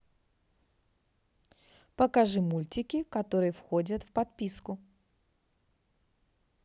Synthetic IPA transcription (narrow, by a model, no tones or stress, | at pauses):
pəkɐʐɨmulʲtʲɪkʲɪkɐt̪o̞ɾɨjəfxodʲət̪fpɐt̪̚pʲiskʊ